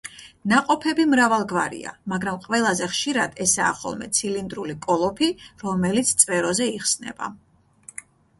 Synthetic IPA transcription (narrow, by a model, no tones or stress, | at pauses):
naqʼɔpʰɛbimɾavalˠɡvaɾḭa̰maɡɾamqʼvɛlˠazɛχʃiɾad̪ɛsa̰ːχɔ̰lˠmɛ̰t̪sʰilind̪ɾulikʼɔlˠɔpʰiɾɔmɛlit̪sʰt̪sʼvɛɾɔzɛiχsnɛ̰b̥a̰